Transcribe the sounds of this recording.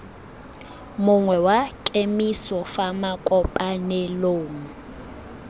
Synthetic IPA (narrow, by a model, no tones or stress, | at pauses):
mʊŋwɛwakʼemisɔfamakʼɔpʼanɛloːŋ̩